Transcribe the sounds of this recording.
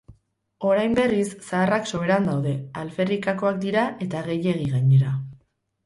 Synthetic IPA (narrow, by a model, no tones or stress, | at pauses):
o̞ɾajmbe̞risːaːrakso̞βeɾand̪awðe̞alfe̞rikako̞ak̚d̪iɾaʔe̞t̪aɣ̞e̞je̞ɣ̞iɣaɲe̞ɾa